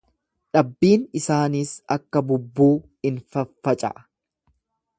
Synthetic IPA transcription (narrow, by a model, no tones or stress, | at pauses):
ᶑɐbːiːnɪsaːniːsɐkːɐbʊbːuː | ɪnfɐfːɐt͡ʃʼɐ̰ʔ